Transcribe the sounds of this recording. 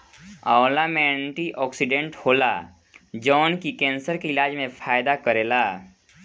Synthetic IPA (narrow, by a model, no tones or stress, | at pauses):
aʊlamɛːɳʈiʔɔːksɪɖẽɳʈhoːla̰ | d͡ʒɔːnkikɛ̃ːnsəɾkeɪlaːd͡ʒmẽpʰaːɪd̪akəɾeːlaː